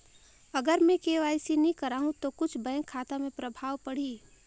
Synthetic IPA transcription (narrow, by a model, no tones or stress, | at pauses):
əɡəɾmẽkeʋaːɪsinĩkəɾaːɦũt̪okʊt͡ʃʰbə̃ŋkʰaːt̪amẽpɾəbʱaːʋpəɽ̤iː